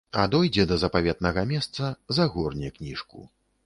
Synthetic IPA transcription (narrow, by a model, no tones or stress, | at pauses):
ad̪ɔjd͡zʲɛd̪ɐzɐpavʲɛt̪̚nɐɣɐmʲɛst̪sɐzɐɣɔrnʲiknʲiʂkṵ